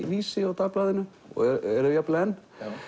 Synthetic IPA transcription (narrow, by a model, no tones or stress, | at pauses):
viːsɪɔwt̪aplaːðɪnʏ | ɔ̰ɣɛɛɾʏjaplɛnː